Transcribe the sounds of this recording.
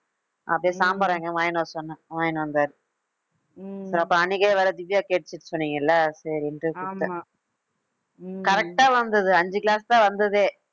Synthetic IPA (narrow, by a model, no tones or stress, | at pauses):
ɐ̰pːjeːsaːmbɐɾeːŋɡɐʋaːjnoːsɔnːɐ̃ʋaːjnʋɐnd̪aːɾɯ | sɐɾɐpːõɐɳɪɣɐːʋɐːɾɐd̪ɪʋːɪjaːkeːʈ̚ːt͡ʃːɪʈːɯ̥sɔnːiːŋɡɐɪlːɐsɐːɾiɛndrɯkʊt̪ːɐ̃ | kɐɾɛk̚ʈaːʋɐnd̪ɐðɯɐɲd͡ʒɯklaːst̪ãːʋɐnd̪ɐðeː